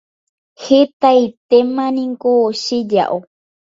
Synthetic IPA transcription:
het̪ait̪emãnĩŋkoːʃid͡ʒa̰ʔo

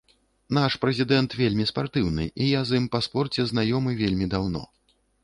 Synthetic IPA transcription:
naʂpɾɛzʲid̪ɛnt̪vʲelʲmʲispart̪ɨwnɨ̰ʔijazɨmpaspɔrt͡sʲɛznajɔmɨvʲelʲmʲid̪awnɔ̰

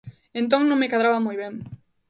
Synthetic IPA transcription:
ẽnt̪̬õŋnõŋmekaðɾaβamujβẽŋ

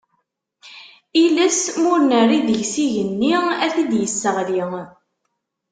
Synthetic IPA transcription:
iləsmʊɾnərːiðəʝsiʝənːiæθid̪jəsːəʁli

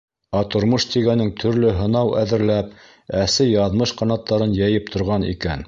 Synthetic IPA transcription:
ɑt̪ŏɾmɤʃt̪iɡænɘŋt̪ʰɵ̆ɾlɵɦɤ̆nɑwʔæ̰ðɘ̆ɾlæp̚ | æsɘjɑðmɤʃqɑnɑt̪ːɑɾɤnjæjɘp̚t̪ʰŏɾʁɑnḭkæn

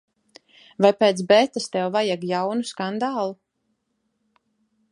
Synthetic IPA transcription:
vajpɛːt̪sbɛt̪ast̪ɛwvajɛɡjawnuskand̪aːlˠu

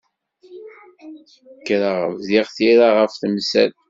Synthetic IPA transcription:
kːɾaʁəvziʁθiɾaʁəfθmsæ̰l

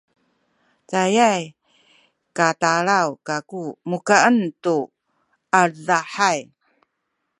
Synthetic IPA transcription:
t͡sajaj | kataɭawkakumukaəntu | azaħaj

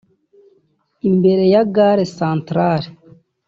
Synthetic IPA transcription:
imbeɾejaɡaːɾesãːntɾaɾe

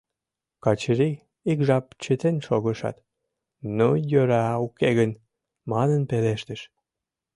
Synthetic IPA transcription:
kɑt͡ɕɾi | ikʒɑp̚t͡ɕət̪enʃoɣəʃɑ̰t̪ | nojøɾɑukeɣən | mɑnənpeleʃt̪əʃ

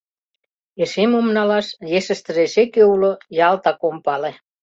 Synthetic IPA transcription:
eʃemumnɑlɑsjesə̆st̪ə̆resekeulojɑlt̪ɑkompɑle

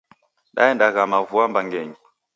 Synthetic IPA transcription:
ɗa̰ɛndaɣamavuambaŋɡɛɲi

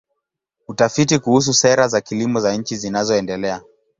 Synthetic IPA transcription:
utafitikuhus̬usɛɾazakilimɔzaɲ̩t͡ʃizinazɔɛndɛlɛa

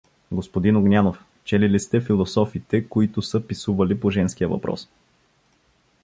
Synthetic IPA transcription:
ɡospod̪inoɡnʲanof | t͡ʃɛlilist̪ɛfilˠosɔfit̪ɛkoit̪ʊsəpisuvɐlipoʒɛnsk̟ijəvɐ̰pɾɔ̰s

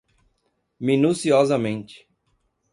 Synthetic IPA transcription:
mĩnusiɔzɐmẽnt͡ʃɪ̥

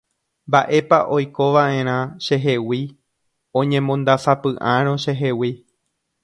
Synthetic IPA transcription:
mbaʔe̞paʔo̞jko̞ʋaʔẽ̞ɾ̃ãʃe̞ɦe̞wi | õ̞ɲẽ̞mõ̞nd̪asapɨʔãɾ̃õʃeɦewi

